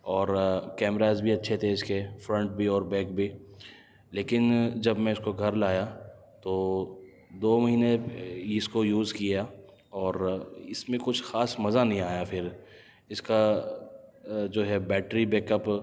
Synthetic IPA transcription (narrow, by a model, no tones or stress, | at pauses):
ɔːɾkɛːmɾaːzbʱiɐtːʃʰet̪ʰeːɪd͡ʒkeːfɾə̃ɳʈ̚bʱiɔːɾbɛːk̚bʱi | leːkɪnd͡ʒɐbmɛ̃ʊskoɡʱɐɾlaːja | t̪oː | d̪oːmɐɦiːneɪskojuːzkija | ɔːɾɪsmẽkʊt͡ʃʰxaːsmɐzanɐɦĩaːjafʰɪɾ | ɪska | d͡ʒoːɦɛbɛːʈɾibɛːkəp